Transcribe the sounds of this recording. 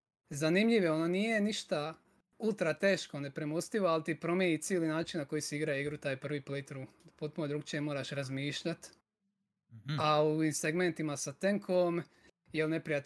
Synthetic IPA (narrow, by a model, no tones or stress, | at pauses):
zanimʎiʋeononije̞niʃt̪a | ulˠt̪ɾat̪e̞ːʃko̞ne̞pɾemost̪iʋoalt̪ipɾo̞mjenit̪siːlinaːt͡ʃinnako̞jisiiɡɾaiɡɾut̪aːjpr̩ʋiplet̪ɾupot̪punod̪ɾuɡt͡ʃemo̞ːɾaʃɾazmiːʃʎat̪ | auʋimseɡme̞nt̪imasat̪eŋkʰom | jelne̞pɾijat̪